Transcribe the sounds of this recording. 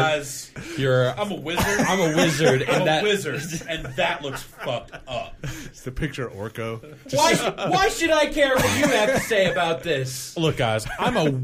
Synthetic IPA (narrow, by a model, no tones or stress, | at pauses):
ɪz̥jə˞ã̰ɪ̃məwɪzə˞ãɪ̃məwɪzə˞d̃ɨ̃nðɨwɪzə˞dɨ̃nðɨʔˡlʊksfʌk̚tʌp̚sðɨpʰɪk̚t͡ʃə˞ʔɔ̰ɹkoʊ̥ | waɪwaɪʃɨɾaɪkʰɛɹwʌt͡ʃɨæftʰɨseɪɨbaʊt̪̚ðɪslʊk̚ɡ̥aɪzãɪ̃mə